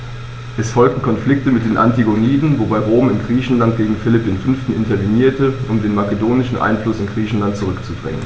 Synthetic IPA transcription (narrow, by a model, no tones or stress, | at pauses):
ʔɛsfɔlk̚tn̩kʰɔnflɪk̚təmɪt̚d̥eːnʔa̰ntiɡoniːdn̩vobaɪʁoːmɪnɡʁiːçn̩lantɡ̥eːɡŋ̩fɪlɪp̚d̥eːnfʏnftn̩ʔɪntɐviniːɐtəʔʊmdeːnmakedoːnɪʃn̩ʔa̰ɪnflʊsɪnɡʁiːçn̩lantt͡suʁʏkt͡sud̥ʁɛ̰ŋə̰n